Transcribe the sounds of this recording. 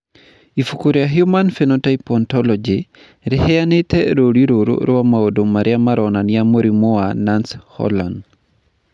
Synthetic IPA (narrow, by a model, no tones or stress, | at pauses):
ifukuɾiaɦjumanfenotaipɔntɔlɔd͡ʒi | ɾɪhejanɪtɛɾoɾiɾoɾo̰ɾowamaodomaɾjamaɾɔnanjamoɾimoananshɔ̰la̰nd